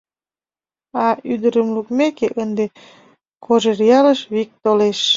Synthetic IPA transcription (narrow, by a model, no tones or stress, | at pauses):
ɑyd̪əɾəmlukmekeʔənd̪e | kʰoʒerjɑləʃβik̚t̪oleʃ